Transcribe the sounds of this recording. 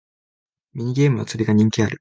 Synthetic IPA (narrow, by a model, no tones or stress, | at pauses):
mʲiɲ̟iɡʲe̞ːmɯ̟a̰t͡sɨɾʲiɡaɲ̟ĩŋkʲiaɾɯ̟